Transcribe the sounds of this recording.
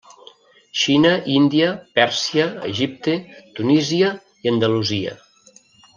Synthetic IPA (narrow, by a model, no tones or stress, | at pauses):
ʃinəʔind̪iəpɛɾsiəə̰ʒip̚t̪et̪uniziə | iənd̪əluziə̰